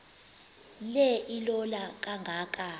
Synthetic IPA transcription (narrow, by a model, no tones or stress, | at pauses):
lɛʔilɔlak̬ʼaŋɡʱaːkʼa